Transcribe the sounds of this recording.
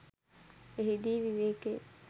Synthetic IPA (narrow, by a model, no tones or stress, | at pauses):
eɦid̪iːʋiʋeːke